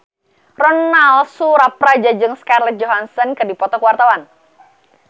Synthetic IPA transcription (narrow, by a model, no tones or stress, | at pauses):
rɔnːalsuɾapɾad͡ʒad͡ʒɨŋskarlɛt̪̚d͡ʒɔɦansɔnkɨrdipɔt̪ɔkəwart̪awan